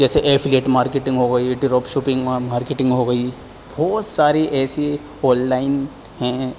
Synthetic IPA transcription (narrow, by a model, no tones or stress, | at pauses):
d͡ʒɛːseʔeːfʰleːʈmaːɾkeʈɪ̃ŋɡɦoɡɐiɖɪɾoːpʃuːpɪ̃ŋɡmaːɾkeʈɪ̃ŋɡɦoɡɐi | bʱɔːt̪saːɾeʔɛːse | ɔːllaːɪn | hɛ̃